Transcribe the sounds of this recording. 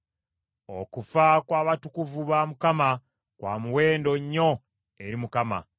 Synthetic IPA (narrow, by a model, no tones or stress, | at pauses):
o̞kufakwaːβatukuvuβaːmukama | kwa̰ːmuwe̞ːndo̞ɲːo̞ | e̞ɾimukama̰